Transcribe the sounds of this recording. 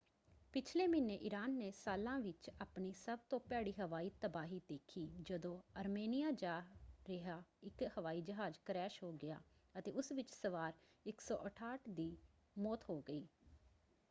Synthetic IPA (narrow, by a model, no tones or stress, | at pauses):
pɪt͡ʃʰleːmɪnːeːʔɪɾaːnːeːsaːlãːʋɪt͡ʃaːpɳiːsəb̚t̪õːpaːɽiːɦəʋaːiːt̪əbaːɦiːd̪eːkʰiːd͡ʒəd̪õːəɾmeːnɪjaːd͡ʒaːɾɪɦaːɪkhəʋaːiːd͡ʒəɦaːd͡ʒkɾɛːʃɦoːɡɪja̰ːət̪ḛːʊsʋɪt͡ʃsəʋaːɾ | ɪksɔ̰ːʔəʈʰaːʈʰd̪iː | mɔːt̪ɦoːɡəiː